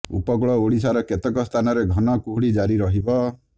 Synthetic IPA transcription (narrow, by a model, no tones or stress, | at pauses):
ṵpɔɡɭɔoɽisaɾɔket̪ɔkɔst̪ʰanɔɾeɡʱɔnɔkuɦuɽid͡ʒaɾiɾɔɦibɔ